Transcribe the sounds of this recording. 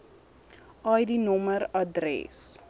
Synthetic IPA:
ajdinɔməɾədɾḛs

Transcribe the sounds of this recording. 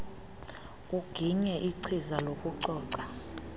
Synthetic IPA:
kʼuɡ̥ʱiɲɛʔiǀʰizalokʼuǀɔːǀa

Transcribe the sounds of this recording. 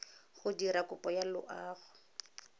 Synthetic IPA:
χʊdirakʊpʼɔjalʊʔaːχʊ

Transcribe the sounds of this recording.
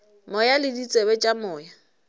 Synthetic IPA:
mɔjalɪdit͡sʼebɛt͡ʃʼamɔːja

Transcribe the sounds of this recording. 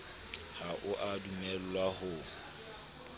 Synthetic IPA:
haʔʊʔadumɛllwahʊ

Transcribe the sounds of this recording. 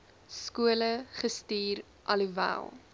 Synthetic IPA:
skuələχəstiːr | ʔɐluvæ̰lˠ

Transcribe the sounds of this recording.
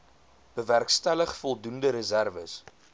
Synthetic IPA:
b̥əværkstæləχfɔlˠdundəɾəzærvə̰s

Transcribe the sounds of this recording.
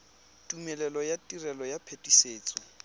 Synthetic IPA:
tʼumɛlɛlɔjatʼirɛlɔjapʰetʼiseːt͡sʼɔ

